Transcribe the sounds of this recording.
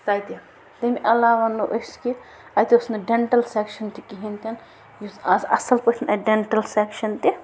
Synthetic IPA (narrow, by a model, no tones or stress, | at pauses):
t̪aːjt̪i | t̪emiʔɐlaːʋɐnːuʔoski | ajt̪iusnɐɖeɳʈɐlsekʃɐnt̪ikiɦint̪ʲɐn | juɐsɐ̰sɐlpɐt͡ʃʰnɐɖeɳʈɐlsekʃɐnt̪i